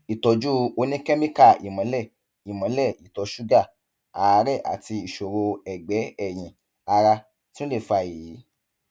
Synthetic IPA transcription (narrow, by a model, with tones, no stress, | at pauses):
i˨tɔ˧d͡ʒu˦o˧nĩ˦kɛ˦mĩ˦ka˦˨ḭ˨mã˨˦lɛ˦˨ | i˨mã˨˦lɛ˦˨i˨tɔ˨˧ʃu˦ɡa˦˨ | a˨˧˦ɾɛ˦˨ʔa̰˨ti˧i˨ʃo˨ɾo˧ɛ˨ɡ͡bɛ˨˦ɛ˦˨j̃ĩ˨ | a˧ɾa˧ | tĩ˦õ˦le˦˨fa˧˨ji˨˦